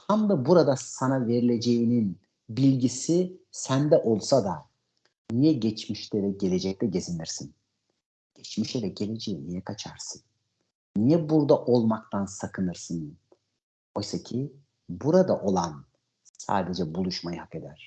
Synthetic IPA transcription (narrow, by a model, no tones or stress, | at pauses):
t̪ʰamd̪abuɾad̪asanave̞ɾilʲe̞d͡ʒe̞jinin | bilʲɟisisænd̪ɛʔo̞lˠsad̪a | nijɛɟɛt͡ʃmiʃlɛvɛɟe̞lʲe̞d͡ʒɛc̚lɛɟe̞ziniɾsin | ɟ̥ɛt͡ʃmiʃɛvɛɟe̞lʲe̞d͡ʒejinijɛkʰat͡ʃʰaɾsɯnː | ijɛbuɾd̪aʔo̞lˠmakt̪ʰansakʰɯnɯɾsɯn | ojsacʰi | buɾad̪aʔo̞lˠan | sa̰ːd̪e̞d͡ʒɛbulˠuʃmajɯhake̞d̪æɾ̥